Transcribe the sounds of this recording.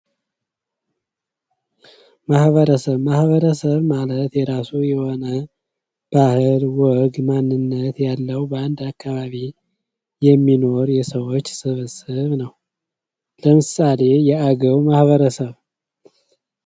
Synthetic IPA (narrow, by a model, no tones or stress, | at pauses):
mahβəɾəsəβmahβəɾəsəβmalət̪jɛɾasujɛho̞nə | b̥ahɨlwɔɡmanːɨnːət̪jalːəwbəand̪akːaβaβi | jɛmːino̞ɾjɛsəwo̞t͡ʃːsɨβɨsɨβnəw | ləmɨsale̞jɛaɡəwmahβəɾəsəβ